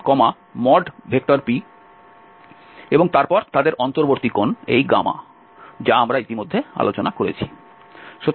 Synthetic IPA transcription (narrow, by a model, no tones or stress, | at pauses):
kɔma | mɔɖbʱek̚ʈoɾpi | eboŋt̪aɾpɔɾt̪ad̪eɾʔɔnt̪oɾboɾt̪ikonejɡa̰ma̰ | d͡ʑaamɾait̪imod̪ʱːea̰lot͡ɕonakoɾḛt͡ɕʰi̥ | ʃo